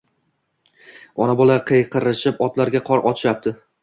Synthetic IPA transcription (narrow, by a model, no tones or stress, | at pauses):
ɒnabɒlˠaqʰejqʰɨɾɪʃɪpɒt̪laɾɡʲaqʰɒɾʔɒt͡ʃʰɪʃap̚t̪ʰɪ